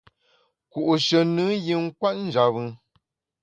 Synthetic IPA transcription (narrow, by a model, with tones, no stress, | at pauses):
ku˨ʔu˨ʃə˨nɨ˦ji˨ŋ̩˦kwa˦t̚n̩˦d͡ʒa˨βɨ˦